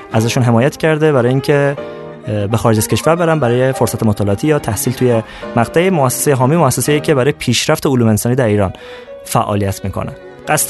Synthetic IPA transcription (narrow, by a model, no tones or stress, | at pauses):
ʔæzæʃunɦe̞mɒːjæt̪ʰcʰæɾd̪ebæɾɒːjeiːŋcʰe | bexɒːɾed͡ʒæz̥kʲʰe̞ʃvæɾbe̞ɾæmbæɾɒːjefoɾsæt̪e̞mot̪ʰɒːleɒt̪ʰijɒːt̪ʰæhsiːlt̪ʰuje | mæɡt̪ʰæemoæsːe̥sejeɦɒːmimoæsːesejicʰebæɾɒːjepʰiːʃɾæft̪eoluːmeensɒːniːd̪æɾiːɾɒ̰ːn | fæʔɒ̰ːlijæt̪ʰmiːkʰo̰næ̰n | ɢ̥æst̪